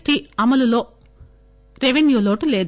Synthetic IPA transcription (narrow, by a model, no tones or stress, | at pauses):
ʈɾiːɐmɐlulo̞ː | ɾeʋenjuːloːʈuleːd̪